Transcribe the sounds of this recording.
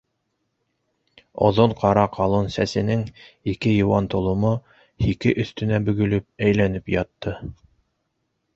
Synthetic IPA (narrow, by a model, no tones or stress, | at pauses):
ŏ̰ðoɴqʰɑɾɑqʰɑlˠonsæsɘ̆nɘŋikɘjŏwɑnt̪ŏlˠŏmo | hikɘʔɵ̆θt̪ɘ̆næbɵ̆ɡɵ̆lɵp̚æjlænɘpjɑt̪ːɤ